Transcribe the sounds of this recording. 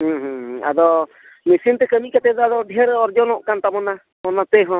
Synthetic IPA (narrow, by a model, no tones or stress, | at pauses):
ɦũɦũɦa̰d̪ɔ | misint̪ɛkəmikat̪ɛd̪ɔad̪ɔɖʱɛɾɔɾd͡ʒɔnɔʔkant̪amɔna | mɔnat̪ɛɦɔ̃